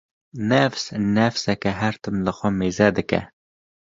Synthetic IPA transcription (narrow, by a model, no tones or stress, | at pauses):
nɛfsnɛfsɛkɛɦæɾt̪ɨmlɨxʷɛmeːzɛd̪ɨkɛ̰